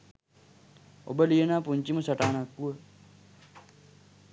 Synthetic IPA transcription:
o̰bəliənaːpuɲt͡ʃimusɐʈaːnakːuə

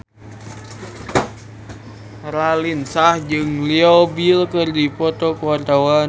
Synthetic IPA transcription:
ɾalinsahd͡ʒɨŋliɔbilkɨrdipɔt̪ɔkuwart̪awan

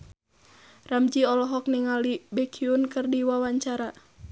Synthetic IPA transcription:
ramd͡ʒiɔlɔɦɔk̚niŋalibɛkʰiunkɨrdiwawaɲt͡ʃaɾa

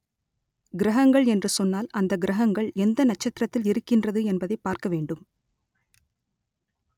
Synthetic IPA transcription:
ɡɪɾɐɦɐŋɡɐɭɛndrɯsɔnːaːlɐnd̪ɐɡɪɾɐɦɐŋɡɐɭɛnd̪ɐnɐt͡ʃːɐt̪ːɪɾɐt̪ːɪlɪɾɯkːɪndrɐðɯɛnbɐðɐɪpːaːɾkɐʋeːɳɖɯm

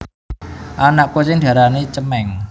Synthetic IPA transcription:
ʔanaʔkot͡ʃɪŋd̪̥ä̤ɾanet͡ʃəmɛŋ

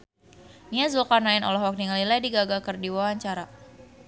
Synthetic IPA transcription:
niazulkarnaɪnɔ̰lahwak̚niŋalilajdiɡaɡakərdiwawaɲt͡ʃaɾa

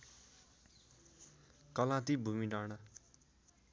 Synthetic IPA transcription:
kʌlãt̪ibʱumiɖanʌ

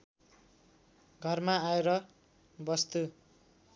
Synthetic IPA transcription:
ɡʱʌrmaaeɾʌ | bʌst̪u

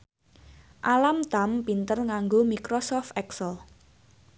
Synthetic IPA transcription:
ʔalamt̪a̤mpint̪ərŋaŋɡomikɾosɔft̪ɛksəl

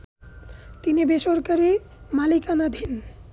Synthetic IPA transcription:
t̪inibeʃoɾkaɾi | malikanad̪ʱin

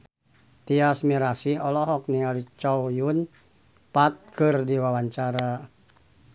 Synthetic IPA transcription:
t̪iasmiɾasihɔlɔɦɔk̚niŋalit͡ʃɔwjun | pat̪̚kɨrdiwawaɲt͡ʃaɾa

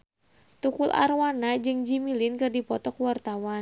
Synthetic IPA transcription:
t̪ukulʔa̰rwanad͡ʒɨŋd͡ʒimilɪnkɨrdipɔt̪ɔkwart̪awa

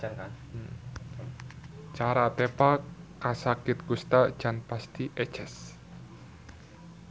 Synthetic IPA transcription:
t͡ʃaɾat̪ɛpakasakɪt̪̚kust̪ad̥ʒ̥a̤npast̪iʔɛ̥t͡ʃɛs

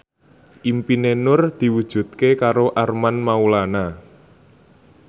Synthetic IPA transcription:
ʔimpinenʊrd̪̥i̤wud̥ʒ̥ṳt̪̚kekaɾoʔarmanmaulana

